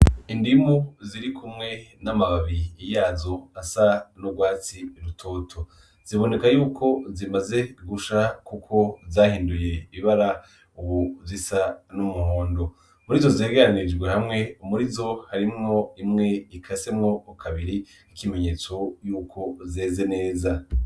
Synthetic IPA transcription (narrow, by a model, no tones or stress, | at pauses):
indimuziɾikʰumŋe̞namaβaβiːjaːzo̞asanuɡwaːt͡siɾutʰo̞ːtʰo | z̥iβo̞ne̞kajuːkʰo̞zimaze̞ɡuʃakukʰo̞zaːhiːnduje̞βiβaɾa | uβuvzisanumuho̞ːndo̞ | muɾizozeːɡeɾanid͡ʒɡwe̞hamŋe̞umuɾizo̞haɾimŋo̞imŋe̞ikʰase̞mŋo̞kʰaβiɾi | ikime̞ɲe̞ːt͡so̞juːkʰo̞zeːze̞ne̞ːza